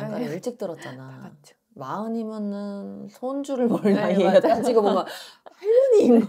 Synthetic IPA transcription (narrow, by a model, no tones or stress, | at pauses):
k͈anʌɭt͡ɕ͈ik̚t͈ɯɾʌt̚t͡ɕ͈anat͡ɕ | maɯɲimjʌnɯnsʰond͡ʑuɾɯɭmʌɭːaieɡaad͡ʑiɡɯmoŋɡapaɭːɯniːnɡ